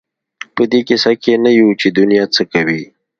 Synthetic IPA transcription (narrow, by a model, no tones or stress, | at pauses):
pəd̪ekɪsakenajut͡ʃed̪ʊnijat͡səkɐwi